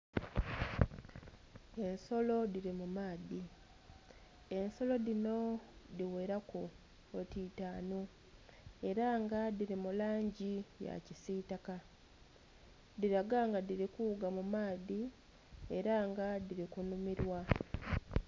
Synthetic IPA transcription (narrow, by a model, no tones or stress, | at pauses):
e̞nso̞lo̞diɾimumaːði | e̞nso̞lo̞ðino̞diwe̞ɾako̞ː | tiːtaːno | e̞ɾaŋɡadiɾimulaːɲɟija̰cisitaka | diɾaɡaŋɡadiɾikuːɡamumaːði | e̞ɾaŋɡadiɾikunumiɾwa